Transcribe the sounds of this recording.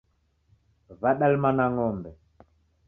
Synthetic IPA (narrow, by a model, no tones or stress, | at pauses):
vaɗalmanaŋɔmbɛ